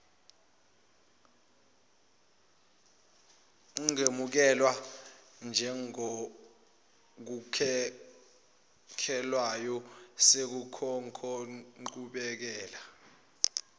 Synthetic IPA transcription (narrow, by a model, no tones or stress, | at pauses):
uŋemuk̬ɛlwa | nd͡ʒʱɛŋo | k̬ukʰ | kʰɛlwajɔsek̬ukʰɔŋkʰɔǃuɓɛk̬ɛːla